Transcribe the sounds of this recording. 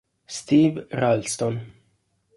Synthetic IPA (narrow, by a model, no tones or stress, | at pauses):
st̪ivɾalst̪on